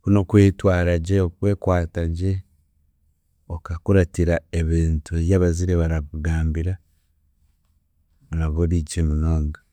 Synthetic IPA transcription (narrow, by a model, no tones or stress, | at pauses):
kuno̞kweːtwaːɾaɟeokwe̞ːkwaːtaɟe | okakuɾatiɾaeβiːntuβjaβaziɾeβaɾakuɡaːmbiɾa | βaɾaβolit͡ʃemunoːŋɡa